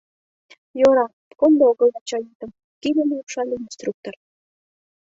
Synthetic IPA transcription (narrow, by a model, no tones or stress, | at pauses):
joɾɑ | kond̪ooɣɤ̆lɑt͡ɕɑjit̪ə̆m | kilemeupʃɑlʲeinst̪ruk̚t̪or